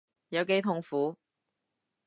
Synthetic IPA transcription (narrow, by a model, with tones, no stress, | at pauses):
jɐ˨˧wke˨˥jt̪ʰʊ˨ŋfuː˨˥